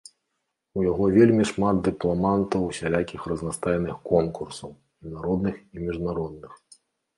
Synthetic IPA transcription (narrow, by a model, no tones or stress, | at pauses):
ujaɣɔvʲelʲmʲiʂmad̪̚d̪ɨplˠamant̪ɐwsʲalʲakʲixrɐznast̪ajnɨxkɔnkursɐw | mʲinaɾɔd̪nɨximʲiʐnaɾɔd̪nɨx